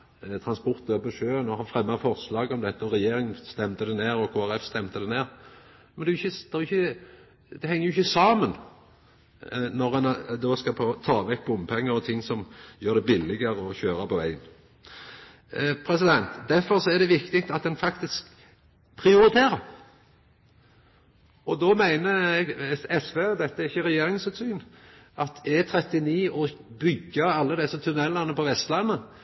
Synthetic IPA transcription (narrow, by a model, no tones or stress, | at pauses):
t̪ʰɾɑnspɔʁt̪øːpəʂøːnoːhɑfɾɛmːɑfɔʁslɑːɡɔmd̪ɛt̪ːəɔɾɛjeːɾɪŋəst̪ɛmt̪əd̪ɛneːɾɔkʰoːæɾɛfst̪ɛmt̪əd̪ɛneːɾ | mɛnd̪ɛʊjʏçːəd̪̥ɛjʏçːə | d̪ɛhɛŋːəjʊʏçːəsɑːmən | nɔɾɛnd̪oːskɑpʰoːt̪ʰɑːʋɛk̚bɔʊmːpʰɛŋːəɾɔt̪ʰɪŋːsɔmjøːɾd̪ɛbɪlːɪɡəɾəɔçøːɾɑpɔʋæ̰ɪən | pʰɾɛsɪd̪ɛnt̪d̪æfɔɾsɔɛʁd̪ɛʋɪkt̪ɪk̚t̪ɑt̪̚d̪ɛnfɑkt̪ɪsk | pʰɾɪʊɾɪt̪ʰeːɾəɾ | ɔd̪ɔmæɪnəɛɡɛsʋeːd̪ɛt̪ːəæɾɪçːəɾɛjeːɾɪŋsʉːt̪syːnʔɑt̪ɛt̪ʰɾɛt̪ɪniːɔbʏɡːəɑlːəd̪ɛsːət̪ʰʉnɛlːɑnːəpɔʋɛst̪lɑnːə